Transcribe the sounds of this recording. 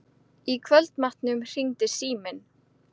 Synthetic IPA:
ikʰvœlt̪maht̪nʏmr̥iŋt̪ɪ̥siːmɪn

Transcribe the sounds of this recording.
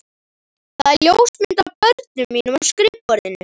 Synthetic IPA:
θaðɛɾljowst̪mɪnt̪apœɾt̪nʏmːiːnʏmaskɾɪpːɔɾðɪnːɪ

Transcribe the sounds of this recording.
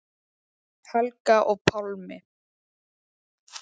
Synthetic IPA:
halkaʔɔpʰɔlmɪ

